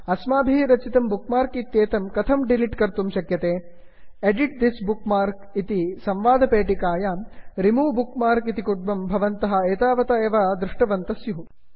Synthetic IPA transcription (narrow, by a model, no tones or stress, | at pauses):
ɐsmaːbʱiɦɾɐt͡ʃit̪ɐmbukmaːɾkit̪jeːt̪ɐmkɐt̪ʰɐmɖiliʈkɐɾt̪umʃɐkjɐt̪eː | eɖiʈ̚d̪isbukmaːɾk | it̪isɐmʋaːd̪ʱɐpeːʈikaːjaːɾimuːbukmaːɾkit̪ikuɖ̚bɐmbʱɐʋɐnt̪ɐɦɐ̆eːt̪aːʋɐt̪ɐeːʋaːd̪ɾuʂʈɐʋɐnt̪ɐsjuɦu